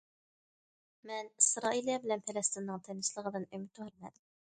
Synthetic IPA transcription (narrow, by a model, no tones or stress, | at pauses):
mɛnisɾɑːʔilˠijɛbɪlɛnpʰelɛst̪ɨnːɨŋt̪ʰɛnɪslˠəʁəd̪ɨnymɪt̪ʰuhɛɾmɛ̰d̪ɪm